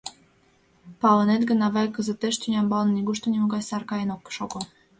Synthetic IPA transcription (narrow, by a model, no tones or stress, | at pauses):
pɑlɤnet̪ɡə̆nɑβɑjkə̆zə̆t̪ːeʃt̪ynʲɑmbɑlnniɡuʃt̪onʲimuɡɑt͡ɕsɑrkɑjenokːʃoko